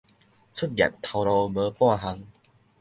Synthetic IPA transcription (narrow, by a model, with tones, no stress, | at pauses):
t͡sʰu˦˥t̚lja̰˨˩k̚t̪ʰa˧wlɔ˧bə˧˦pwãː˥˧ɦa˧ŋ